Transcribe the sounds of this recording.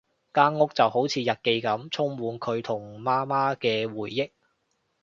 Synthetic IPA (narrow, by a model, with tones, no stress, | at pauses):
kaː˥ŋŋʊ˥k̚t͡sɐ˨who˨˥wt͡sʰiː˨˧jɐ˨t̚ke˧jkɐ˨˥mt͡sʰʊ˥ŋwuː˨˧nkʰɵ˨˧ɥt̪ʰʊ˨˩ŋmaː˥maː˥kɛː˧wuː˨˩jːɪ˥k̚